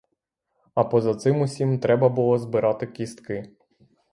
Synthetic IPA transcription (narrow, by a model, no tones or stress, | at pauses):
ɐpɔzɐt̪sɪmʊsʲimt̪ɾɛbɐbʊlˠɔzbɪɾɑt̪ɪkʲist̪kɪ